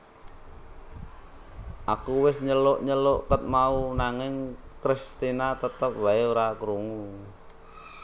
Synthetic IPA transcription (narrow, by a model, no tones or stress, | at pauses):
ʔakuwɪsɲəlʊʔɲəlʊʔkət̪̚maunaŋɪŋkɾist̪inat̪ət̪əp̚waeoɾakɾuŋu